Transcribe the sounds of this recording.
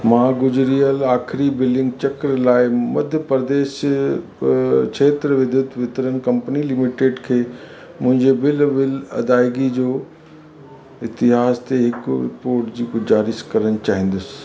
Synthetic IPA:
mãːɡʊd͡ʑɾiəlaːxɪɾibɪlɪ̃ŋɡt͡ɕɐkɾlaːɪmɐd̪ʱjəpɾd̪eːʃ | kʃʰeːt̪ɾəʋɪd̪ʱʊd̪ʋɪt̪ɾənkɐ̃mpənilɪmɪʈeːɖkʰeː | mʊ̃ɦɪ̃ɲd͡ʑebɪlʋɪlɐ̰d̪aːɪɡid͡ʑoː | ɪt̪ɪɦaːst̪eɦɪkʊɾɪ̰poːɾʈd͡ʑiːkʊd͡ʑaːɾɪskɐɾəñɪ̆t͡ɕaːɦɪ̃ːn̆d̪ʊsɪ̥̆

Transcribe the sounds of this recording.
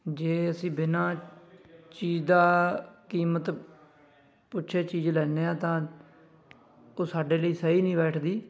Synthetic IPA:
d͡ʒeːəsĩːbɪnãː | t͡ʃiːd͡ʒd̪aːkiːmət̪ | pʊːt͡ʃʰeːt͡ʃiːd͡ʒlɛːneːãːt̪ãː | oːsaːɖeːləiːsəiːnĩːbɛːʈʰd̪iː

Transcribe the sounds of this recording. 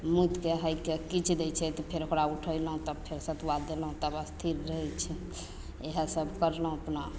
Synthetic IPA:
mut̪keɦəjkekit͡ʃʰd̪ɛt͡ʃʰɛt̪ɔpʰeɾokɾauʈʰəjlɦũt̪əbpʰeɾsət̪ʰwad̪elɦũt̪əbəst̪ʰiɾɾəɛt͡ʃʰɛ | eɦəsəbkəɾləɦũəpna

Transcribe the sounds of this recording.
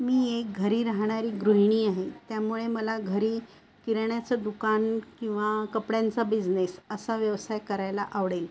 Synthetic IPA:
miːek̚ɡʱəɾiːɾaɦɳ̃aɾiːɡɾuɦiɳ̃iːaɦet̪jamuɭeməlaɡʱəɾiː | kiɾɳjat͡səd̪ukankĩw̃ʋakəpɽjant͡sabid͡znesəsaʋjəʋsajkəɾajlaʔaʋɽel

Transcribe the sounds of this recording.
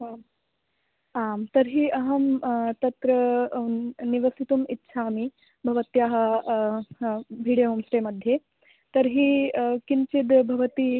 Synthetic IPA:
a | amt̪ɐɾɦiːʔɐɦɐmt̪ɐt̪ɾɐ | niʋɐsit̪umitːɕʰaːmi | bʱɐʋɐt̪jaːɦɐ | bʱiːɽjɐɦumsʈemɐd̪ʱje | t̪ɐɾɦiːkint͡ʃid̪bʱɐʋɐt̪i

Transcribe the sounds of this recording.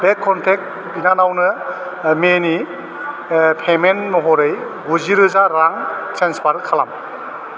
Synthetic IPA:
b̥ekʰːɔntʰek̚ | binanawnɯ | meni | pʰemenːɔɦɔɾɯj | ɡuziɾɯzaɾaŋsenspʰaɾɯkʰala̰m

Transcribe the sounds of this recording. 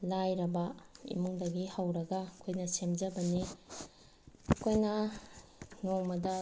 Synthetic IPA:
lajɾɐbɐḭmuŋdɐɡihɐwɾɐɡɐkʰojnɐsemd͡ʒɐbɐni | kʰojnɐ | noŋmɐdɐ

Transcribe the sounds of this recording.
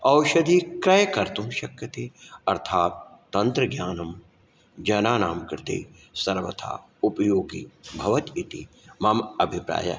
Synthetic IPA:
ɐwʃɐd̪ikɾɐjɐkɐɾt̪umʃɐkjɐt̪eːɐɾt̪ʰaːt̪ːɐnt̪ɾɐɡjaːnɐm | d͡ʒɐnaːnaːmkɾɪt̪ḛː | sɐɾʋɐt̪ʰa̰ː | upɐjoːɡibʱɐʋɐt̪it̪ḭ | mɐmɐbʱipɾa̰ːjɐ̰

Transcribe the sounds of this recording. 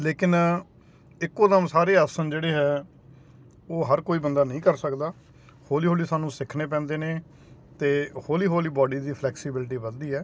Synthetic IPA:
leːkɪn | ɪkːoːd̪əmsaːɾeːəsənd͡ʒeːɽeːɦɛː | oːɦəɾkoːiːbənd̪aːnəĩːkəɾsəkd̪aː | hoːliːɦoːliːsaːnũːsɪkʰneːp̬ɛ̃ːnd̪eːneː | t̪eːhoːliːɦoːliːbɔːɖiːd̪iːpʰlɛːksibɪlʈ̬iːbənd̪iːɦɛː

